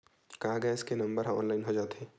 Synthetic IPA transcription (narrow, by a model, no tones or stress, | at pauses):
kaːɡɛɪskenɐ̃mbəɾɦɐ̃ɔ̰ːnlaːɪnɦod͡ʒaːt̪ẽː